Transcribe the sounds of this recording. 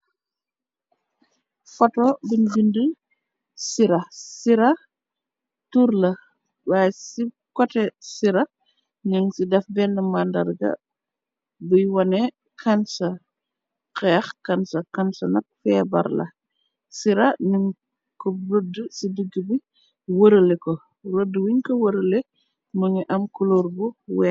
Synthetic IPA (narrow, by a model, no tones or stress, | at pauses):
fɐtɔbiɲd͡ʒində | siɾɐsiɾɐ | tuɾlɐ | waːsi | kɔtɛsiɾɐ | ɲuŋsidɐfbɛnːəmandɐ̰ɾɡɐ̰ | bujwɔnɛ | kʰansɐ | kɛːxkɐnsɐkansɐnɐk̚fɛːbɐ̰ɾlɐ̰ | siɾɐnuŋ | kɔɾodəsidəɡːəbi | wəɾəlɛkɔ | ɾodːwiŋkɔwəɾəle | muɲiʔɐmkuloɾbuwɛ